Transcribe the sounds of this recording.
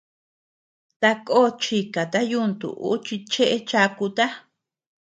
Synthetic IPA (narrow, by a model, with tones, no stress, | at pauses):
t̪a˧ko˦t͡ʃi˧ka˨t̪a˦ju˦˧nt̪ṵ˨ʔṵ˦t͡ʃi˧t͡ʃe˦ʔe˧t͡ʃa˧ku˧t̪a˦